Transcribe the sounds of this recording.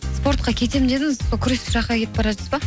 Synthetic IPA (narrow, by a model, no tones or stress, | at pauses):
spo̞ɾt̪̚qɑkʲʰe̞t̪e̞mɪnd̪e̞d̪ɪŋɪzsokʲʰʏɾesʒɑqɑkʲe̞t̪ɪpbɑɾɑʒəzbɑ